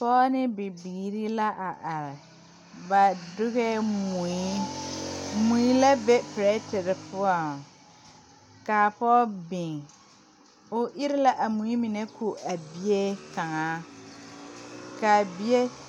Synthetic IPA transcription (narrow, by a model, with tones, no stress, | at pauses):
pɔː˦nɪ˦bɪ˨biː˨ɾi˦la˦ʔa˨ʔa˨ɾɪ˨ | ba˨dʊ˦ɣɛ˦mu˨i˦ | mu˨i˦la˦bɛ˦pɪ˨ɾɛ˦tɪ˨ɾɪ˨pʊ˦ɔ˨ | kaː˨pɔː˦bɪ˨ŋ˨ | ʊ˨ʔɪ˦ɾɪ˦la˦ʔa˨mũ˨˦i˦mɪ˨nɛ˦kʰu˨a˨bi˦e˦ka˨ŋaː˦ | ka˨bi˦e˦